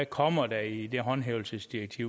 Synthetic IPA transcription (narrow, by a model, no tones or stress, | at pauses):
kʰɒ̽m̰ɐd̥æid̥eɦɒ̽nɦeːʊl̩səsd̥iɐɡ̥̚t͡sʰiʊ̰